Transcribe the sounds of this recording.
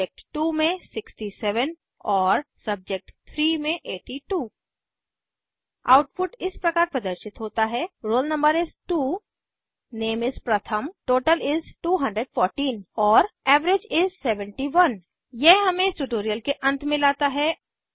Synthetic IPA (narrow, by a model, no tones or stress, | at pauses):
ek̚ʈʈuːmẽsɪksʈisɛʋən | ɔːɾsɐb̚d͡ʒek̚ʈt̪ʰɾiːmẽʔeːʈiʈuː | a̰ːʊʈpʰʊʈɪspɾɐkaːɾpɾɐd̪əɾʃɪt̪ɦoːt̪aɦɛɾoːlnɐ̃mbəɾɪzʈuː | neːmɪzpɾɐt̪ʰəmʈoːʈəlɪzʈuːɦɐ̃ɳɖɾeɖfɔːɾʈiːnɔːɾɛːʋɾed͡ʒɪzsɛʋə̃ɳʈiʋɐn | jɛɦɦɐmẽɪsʈuʈoːɾijəlkeʔɐ̃nt̪ʰmɪ̃laːt̪aɦɛː